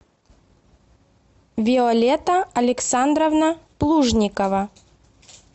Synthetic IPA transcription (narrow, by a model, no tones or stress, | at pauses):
vʲɪɔlʲet̪əɐlʲɪksand̪ɾəvnəplˠuʐnʲɪkəvɐ